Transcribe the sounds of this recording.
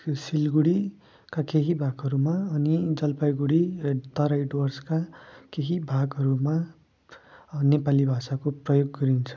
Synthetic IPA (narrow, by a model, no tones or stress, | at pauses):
silɡuɽi | kakeɦibʱaɡɦʌɾumaʌnid͡zʌlpajɡuɽit̪ʌɾajɖwʌrskakeɦibʱaɡɦʌɾuma | nepalibʱasakoprʌjoɡːʌɾint͡sʰʌ̥